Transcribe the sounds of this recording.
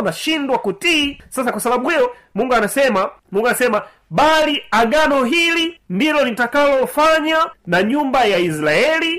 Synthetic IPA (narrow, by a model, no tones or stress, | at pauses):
naʃindwakutisasakwasaɓaɓuhijɔ | muŋɡuanasɛmamuŋɡuanasɛma | ɓaliaɡanɔɦilindilɔlitakalɔfaɲanaɲumbajais̬laɛli